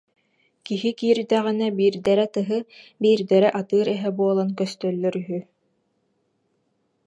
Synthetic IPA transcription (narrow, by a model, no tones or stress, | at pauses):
kiɦikiːɾd̪æʁinɛbiːɾd̪ɛɾɛt̪ɯɦɯbiːɾd̪ɛɾɛʔat̪ɯːɾɛɦɛbuɔlˠankœst̪œlːœɾyɦy